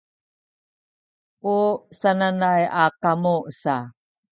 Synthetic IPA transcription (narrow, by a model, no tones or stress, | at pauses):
ʔusananajakamusa